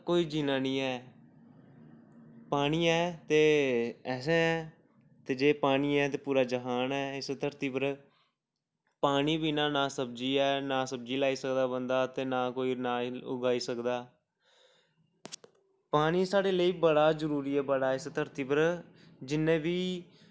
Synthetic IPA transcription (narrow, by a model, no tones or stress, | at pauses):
koːiːd͡ʒiːnaːniːɛː | paːɽ̃iːɛːt̪eːɛːsẽːɛː | t̪eːd͡ʒeːpaːniːɛːt̪eːpuːɾaːd͡ʒəɦaːnɛːɪst̪ʰəɾt̪iːpəɾ | paːñiːbiːnãːnãːsəb̚d͡ʒiːɛːnaːsəb̚d͡ʒiːlaːiːsəkd̪aːbənd̪aːt̪eːnaːkoːiːnaːʊ̰ɡaːiːsəkd̪aː | paːɽiːsaːɽeːləiːbəɽaːzəɾuːɾiːɛːbəɽaːɪst̪ʰəɾt̪iːpəɾ | d͡ʒɪnːẽːbiː